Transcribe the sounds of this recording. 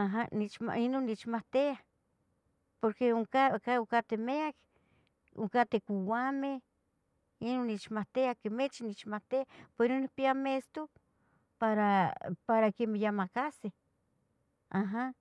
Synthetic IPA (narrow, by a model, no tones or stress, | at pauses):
aɦanit͡ʃma̰inonːit͡ʃmaht̪ea | poɾkeuŋkakaukat̪emeak | ṵŋkat̪ekʷuwame | inonːit͡ʃmaht̪eahkemet͡ʃinit͡ʃmaht̪eapeinonikpiamest̪o | paɾapaɾakemejamakase | aɦa